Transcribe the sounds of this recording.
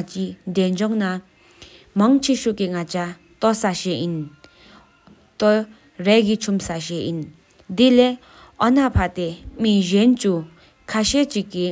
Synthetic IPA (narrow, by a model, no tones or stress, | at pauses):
t͡ɕind̪eɲd͡ʑɔŋna | maŋt͡ɕʰiɕuʔkiŋat͡ɕa | t̪ɔsaɕejin | t̪ɔ | rɛkit͡ɕʰumsaɕejin | d̪ile | ʔɔnapʰat̪emiʑɛnt͡ɕu | kʰaɕeːt͡ɕiʔkːi